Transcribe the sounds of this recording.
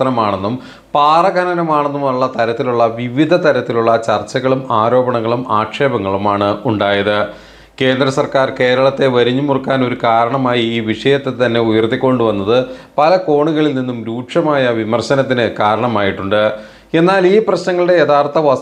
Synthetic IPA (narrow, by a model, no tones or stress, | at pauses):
ɐnɐmaːɳenːum | paːrɐɡɐnɐnɐmaːɳenːumɐɭːɐt̪ɐɾɐt̪ːiluɭːɐʋiʋid̪ʱɐt̪ɐɾɐt̪ːiluɭːɐt͡ɕɐrt͡ɕɐɣɐɭumaːɾo̞ːbɐɳɐŋːɐɭumaːkʂe̞ːbɐŋːɐɭumaːɳɨuɳɖaːjɐðɨ | ke̞ːnd̪ɾɐsɐrkaːrke̞ːɾɐɭɐt̪ːe̞ʋɐɾiɲːumurkːaːno̞ɾukaːɾɐɳɐmaːjiiːʋiʂɐjɐt̪ːe̞t̪ɐnːe̞ujɐrt̪ːikʲːo̞ɳɖuʋɐnːɐðɨpɐlɐko̞ːɳuɣɐɭilninːumɾuːʈʂɐmaːjɐʋimɐrɕɐnɐt̪̬ːinɨkaːɾɐɳɐmaːjiʈːuɳɖɨ | e̞nːaːliːprɐɕnɐŋːɐɭɨɽe̞jeðaːrt̪ɐʋɐ